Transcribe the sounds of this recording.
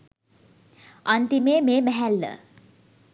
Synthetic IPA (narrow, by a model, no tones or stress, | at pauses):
ant̪imeːmeːbæɦælːə̰